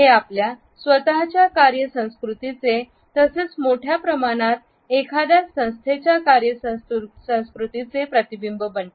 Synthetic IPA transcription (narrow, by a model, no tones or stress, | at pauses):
ɦeaplja | sʋət̪aɦt͡ɕjakaɾjəsə̃w̃skɾut̪it͡se | t̪əset͡smoʈʰjapɾəmaɽ̃at̪̚ | ekʰad̪jasə̃w̃st̪ʰet͡ɕjakaɾjəssə̃w̃skɾut̪it͡sepɾət̪ibimbəbəɳʈ̪e